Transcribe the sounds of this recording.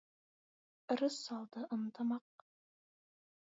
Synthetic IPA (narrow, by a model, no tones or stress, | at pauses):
ɾɤsːɑlˠd̪ɤʔɤ̆nt̪ɑmɑq̚